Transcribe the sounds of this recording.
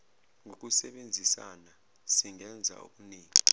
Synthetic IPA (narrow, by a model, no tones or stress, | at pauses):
ŋok̬usɛɓend͡zʱisa̰na | siŋɛnd͡zʱa̰ṵk̬uniːŋi